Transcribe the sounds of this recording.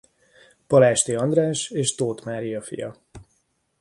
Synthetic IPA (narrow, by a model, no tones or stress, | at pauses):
pɒlaːʃt̪iɒnd̪raːʃeːʃt̪oːt̪maːɾijɒfḭjɒ̰